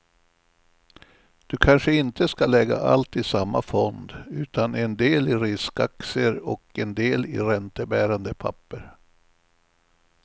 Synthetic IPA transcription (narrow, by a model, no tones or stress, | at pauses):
d̪̥ɵkʰanʂəɪnt̪əskalɛɡa̰ʔa̰lt̪ɪsamːafɔnd̪ʉ̟ːt̪anɛnd̪eːlɪɾɪskaksəɾɔkɛnd̪eːlɪ̰ɾɛnt̪əbæːɾand̪əpʰa̰pːəɾ